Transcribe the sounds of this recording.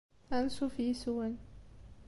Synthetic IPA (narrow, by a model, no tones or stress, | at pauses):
ansufisuwən